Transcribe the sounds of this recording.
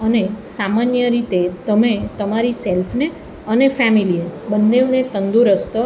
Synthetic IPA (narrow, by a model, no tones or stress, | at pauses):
ənesamanjəɾit̪et̪əmet̪əmaɾiselfʰne | ənefɛmilinebənːeunet̪ənd̪uɾəst̪ə